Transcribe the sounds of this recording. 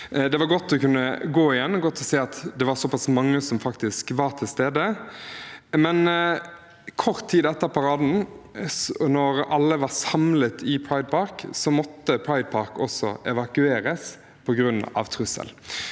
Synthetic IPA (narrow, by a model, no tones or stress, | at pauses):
d̪ɛʋɑɾɡɔt̪ːɔkʉnːəɡoːɪjɛnːɡɔt̪ːɔseːɑt̪d̪ɛʋɑɾsɔpɑsmɑŋːəsɔmfɑkt̪ɪskʋɑɾt̪ʰɪlst̪eːd̪ə | mɛn | kʰɔʁt̪ʰːiːd̪ɛt̪ːəpʰɑɾɑːd̪n̩ | nɔɾɑlːəʋɑʁsɑmlət̪ʰɪpʰɹɑɪd̪̚pʰɑɾksɔmɔt̪ːəpʰɹɑɪd̪̚pʰɑɾkɔsɔ̰ʔɛʋɑkʉeːɾəs | pʰɔɡɾʉnːɑ̰ʋt̪ʰʁʉsə̰l